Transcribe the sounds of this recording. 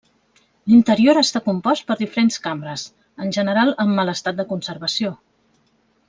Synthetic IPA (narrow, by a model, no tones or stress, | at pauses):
lint̪əɾioɾəst̪akumpɔst̪̚pəɾðifəɾenskambɾəs | ənʲʒənəɾalˠəmːələst̪at̪̚d̪əkunsəɾβəsio